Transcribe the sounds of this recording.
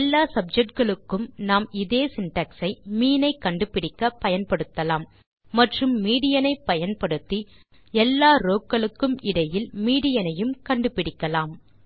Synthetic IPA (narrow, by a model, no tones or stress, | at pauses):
lːaːsɐb̚d͡ʒɛk̚ʈ̚ɡɐɭɯkːɯmnaːmɪðeːsɪnʈɐːksɐɪmiːnɐɪkːɐɳɖɯpɪɽɪkːɐpːɐjɐnpɐɽɯt̪ːɐlaːmː | ɐʈrɯmːiːɽɪjɐnɐɪpːɐjɐnpɐɽɯt̪ːi | ɛlːaːɾoːkːɐɭɯkːɯmɪɽɐjɪlmiːɽɪjɐnɐjɯmkɐɳɖɯpɪɽɪkːɐlaːm